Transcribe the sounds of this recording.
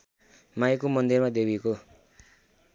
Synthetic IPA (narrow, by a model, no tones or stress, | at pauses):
majkomʌnd̪irmad̪ebiko